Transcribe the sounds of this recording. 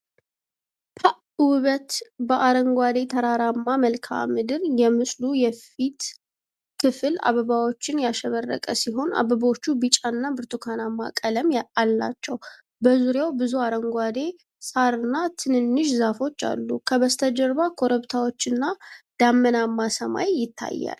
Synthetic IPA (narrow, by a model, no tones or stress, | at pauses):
pʰa | wβət̪bəʔaɾəŋɡʷad̪e̞t̪ʰəɾaɾamːaməlkʰa̰mɨd̪ɨɾjɛmɨsʼlujɛfit̪ | kʰɨfɨla̰βəβawo̞t͡ʃːɪnjaʃəβərːə̰kʼəsiɦo̞nʔa̰βəbot͡ʃːubɨt͡ʃʼanːabɨɾt̪ʰukʰanamːakʼələmjalːa̰t͡ʃːɛw | bəzuɾjawbɨzuaɾəŋɡʷad̪e̞ | sʼaɾɨnːat̪ʰɨnɨnːɨʃzafo̞t͡ʃːa̰lːukʰəβəst̪ʰəd͡ʒɛɾβakʰo̞ɾəβt̪ʰawo̞t͡ʃːɨnːad̪̥amːənamːasəma̰jjɪt̪ʰːa̰jːa̰l